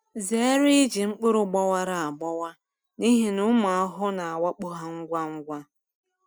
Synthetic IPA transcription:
ze˨e˦ɾi˦d͡ʒi˨ŋ͡m̩˦k͡pʊ˦ɾʊ˦ɡ͡bɔ˦wa˦ɾa˨a˨ɡ͡bɔ˦wa˦ | ni˦ɦi˨nʊ˦ma˨a˦ɦʊ˦na˨a˨wa˦k͡pʊ˦ɦa˦ŋ̩˦ɡʷa˦ŋ̩˦ɡʷa˦

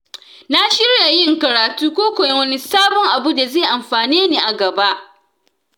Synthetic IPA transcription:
na˦ʃɪ˦ɽja˨jɪ˦˨ŋkɐ˨ɾaː˨tuː˦kʷoː˦kʷo˨jɛ˦wɐ˦ni˦saː˦bɔ˦ŋʔa˨bu˦da˨zeː˦˨ʔa˨mɸaː˨niː˦niː˨ʔa˨ɡɐ˨ba˦ʔ

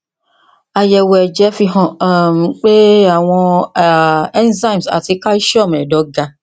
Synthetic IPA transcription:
a˨jɛ˨wɛ˨d͡ʒɛ˨˦fi˧ɦɔ̃˨m˨k͡pe˦a˨w̃ɔ̃˧˨ | ɛ˦nzã˦˨msa̰˨ti˨˦ka˦i˦ʃɔ˦˨mɛ˨dɔ˨˦ɡa˦

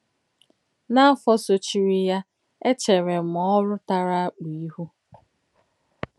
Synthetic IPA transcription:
na˦a˦fɔ˦so˨t͡ʃi˨ɾi˦ja˦ | e˦t͡ʃe˨ɾe˨m̩˨ɔ˦ɾʊ˦ta˦ɾa˦a˦k͡pi˨i˦ɦu˦

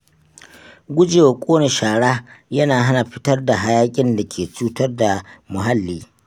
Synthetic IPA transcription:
ɡʷʊ˦d͡ʒeː˨wa˨kʷʼoː˦ne˨ʃaː˨ɽaː˦jɐ˦naː˨ɦa˦na˨ɸɪ˦tɐ˦rda˨ɦa˦jaː˦kʲʼɪ˦nda˨kʲʰeː˨t͡ʃuː˦tɐ˦rda˨mʊ˨ɦa˦lːiː˦

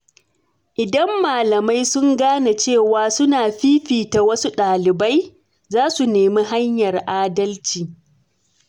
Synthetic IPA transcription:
ʔɪ˨dɐ˦mːaː˨lɐ˨ma˦jsʊ˦ŋɡaː˦na˨t͡ʃeː˦˨waː˨˦sʊ˦naː˨ɸiː˦ɸiː˨ta˨wɐ˦su˦ɗaː˨lɪ˨ba˦j | zaː˦su˨neː˨mi˦ɦa˦ɲjɐ˨rʔaː˦dɐ˦lt͡ʃiː˨

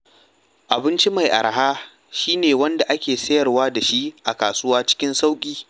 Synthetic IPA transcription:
ʔa˨bɪ˦nt͡ʃi˦ma˨jʔa̰˨ɾɦaː˦ | ʃiː˦neː˨wɐ˦nda˨ʔa˦kʲeː˨sɐ˦jɐ˨rwaː˦da˨ʃi˦ʔʔa˨kaː˨sʊ˦waː˦t͡ʃɪ̥˦kʲɪ˦nsa˦wkʲʼiː˦

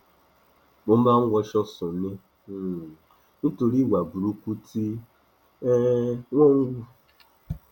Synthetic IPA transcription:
mo˨m̩˦ba˦ŋ̩˦wʷɔ˦ʃɔ˦sʊ˨nɪ˦˨˦ | n̩˦tu˨ɾi˦wa˨bu˨ɾu˦kʷu˦tʰi˦ | ŋʷo˦ŋ̩˦ɡʷu˦

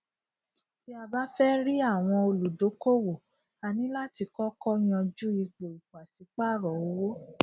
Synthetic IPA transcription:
ti˦a˧ba˦fɛ˦ɾi˦a˦˨w̃ɔ̃˧o˧lu˨do˨˦ko˦wo˨ | a˨nĩ˨˦la˦ti˧kɔ˦kɔ˦j̃ã˧d͡ʒu˦i˧k͡pe˨i˨ku˨a˨si˨˦k͡pa˦˨ɾɔ˨o˧˦wo˦

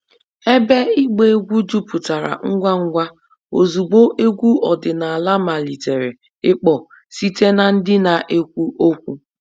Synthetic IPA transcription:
e˦be˦i˦ɡ͡be˦e˦ɡʷu˦d͡ʒu˦pʊ˨ta˨ɾa̰˨ŋ̩˦ɡʷa˦ŋ̩˦ɡʷa˦ | o˨zu˨ɡ͡bo˦ʔe˦ɡʷu˦ɔ˨dɪ˨na˨a˨la˦ma˨li˨te˨ɾe˨ | ɪ˦k͡pɔ˨ | si˦te˦na˨n̩˦dɪ˦na˨ʔe˦kʷu˦ʔo˦kʷu˦

